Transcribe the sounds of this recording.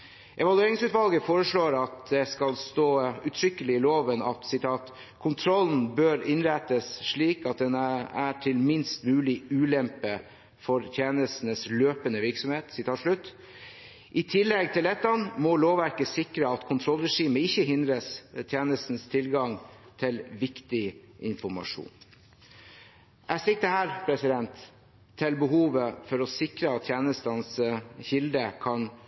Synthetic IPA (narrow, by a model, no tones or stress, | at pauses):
ʔɛʋɑlʉeːɾɪŋsʉːt̪ʋɑlɡəfoːɾəʂɭoːɾɑt̪̚d̪ɛskɑlst̪oːʉt̪ʰɾʏkːəlɪɪloːʋənɑt̪sɪt̪ʰɑːt̪ | kʰʊnt̪ʰɾɔln̩bøːɾɪnɾæɪt̪əsʂɭiːkɑt̪̚d̪ɛnæʈʰɪlmɪnst̪mʉːlɪʉːlɛmpə | fɔɾt̪ʰjeːnəst̪n̩əsløːpənəʋɪɾksɔmheːt̪sɪt̪ʰɑːʂɭʉt̪ː | ʔɪt̪ʰɪlːɛɡ̚t̪ʰɪlɛt̪ːɑnmɔloːʋæɾkəsɪkɾəɑt̪kʰʊnt̪ʰɾɔlɾɛʂiːməɪçːəɦɪnd̪ɾəst̪ʰjeːnəst̪n̩st̪ʰɪlɡɑŋt̪ʰɪlʋɪkt̪ɪʔɪ̰nfɔɾmɑ̰ʂṵːn | ʔæsɪk̚d̪əhæːɾpʰɾɛsɪd̪ɛnt̪ʰː | ɪlbəɦuːʋəfɔɾɔsɪkɾəɑt̪t̪ʰjeːnəst̪ɑnsçɪld̪əkʰɑn